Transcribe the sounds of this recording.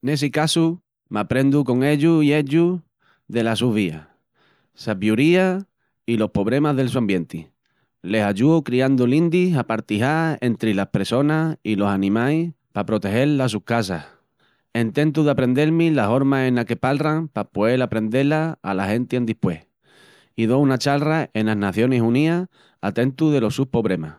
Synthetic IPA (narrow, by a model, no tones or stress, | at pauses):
ne̞sikasu | mapɾe̞nd̪uko̞ŋe̞ʎuie̞ʎu | ðe̞lasuβia̰ | saβjuɾia | ilo̞hpo̞βɾe̞maɦðe̞ls̬uambje̞nt̪i | le̞saʎuokɾiand̪ulĩnd̪isapaɾt̪iɦae̞nt̪ɾilahpeɾso̞nailo̞sanĩmaj | papɾo̞t̪e̞he̞llas̬uhkasah | ent̪ẽ̞nt̪̬uðapɾe̞nd̪e̞lmĩlaɦo̞ɾmaẽnake̞palraŋpapoe̞lapɾe̞nd̪e̞laa̰lahe̞nt̪iend̪ihpwe̞h | iðo̞unat͡ʃalraʔe̞nanaθjo̞nesunia | at̪e̞nt̪uðe̞lo̞suhpo̞βɾe̞ma